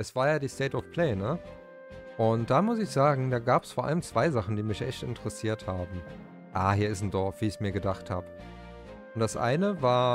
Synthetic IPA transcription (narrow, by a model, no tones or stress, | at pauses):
ʔɛsv̥aːɐjaːdiːstɛːtɔfpʰl̥ɛːnə | ʔʊnt̚d̥aːmʊsɪçz̥aːɡŋ̩daːɡaːpɛ̥sfoːɐʔa̰ləmt͡sv̥aɪzaχn̩diːmɪçʔɛ̰çtɪ̰ntəʁəsiːɐthaːbm̩ | ʔaːhiːɐɪstn̩dɔɐfv̥iːɪçmiːɐɡədaχtha̰ːbə | ʊnt̚d̥asʔa̰ɪnəvaːɐ